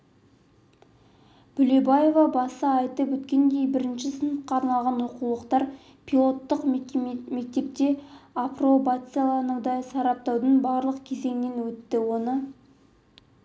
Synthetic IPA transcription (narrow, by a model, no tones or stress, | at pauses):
b̥ʏlebaje̞vɑbɑsəɑjt̪əpwɵt̪kʲe̞nd̪e̞jbɪɾɪnʃɪsənət̪qɑːɾnɑlˠʁɑnwoqulˠəqt̪ɑɾ | pʲʰilˠo̞t̪ːəqme̞k̚t̪e̞p̚t̪e̞apro̞bat̪sɨjalˠɑɾnəd̪ɑsɑɾɑp̚t̪ɑwd̪ənbɑɾlˠəqkʲʰe̞ze̞ŋne̞nwɵt̪ːɪwo̞nə